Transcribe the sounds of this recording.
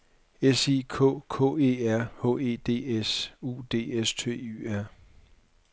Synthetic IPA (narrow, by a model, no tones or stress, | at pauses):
esiːkʰɔ̰ːkʰɔ̰ːe̝̰ːæɐ̰hɔ̰̽ːe̝̰ːd̥e̝̰ːesṵːd̥e̝̰ːest͡sʰe̝̰ːy̰æɐ̰